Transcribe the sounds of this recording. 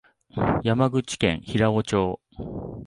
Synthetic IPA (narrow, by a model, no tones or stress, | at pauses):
jamaɡɯ̟t͡ɕi̥kẽ̞̰ɰ̃çiɾao̞t͡ɕoː